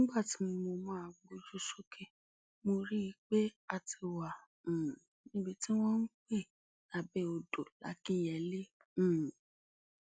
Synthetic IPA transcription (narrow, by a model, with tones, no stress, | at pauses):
nĩ˦ɡ͡ba˦˨ti˨˦mõ˧mo˧mãː˦a˨ɡ͡bo˧d͡ʒu˦ʃo˦kʰe˦ | mo˧ɾi˦i˧k͡pe˦a˧ti˧wã˨ | nĩ˦bi˦ti˦w̃ɔ̃˦n̩˦k͡pe˦˨ | na˨bɛ˦o˧do˨la̰˨˦ki˦˨jɛ˨lẽ˦˨